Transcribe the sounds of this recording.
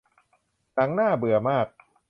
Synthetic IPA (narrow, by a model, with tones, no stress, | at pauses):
na˩˦ŋnaː˥˩bɯ˨˩ɐmaː˥˩k̚